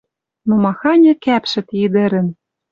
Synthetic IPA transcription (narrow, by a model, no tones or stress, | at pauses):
nomɑxɑnʲɤ̆kæpʃɘ̆t̪ɘd̪ɘ̆ɾɘ̆n